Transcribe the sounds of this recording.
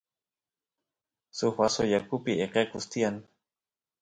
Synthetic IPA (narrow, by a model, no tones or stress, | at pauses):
sʊxasojakʊpiʔeqekʊst̪ian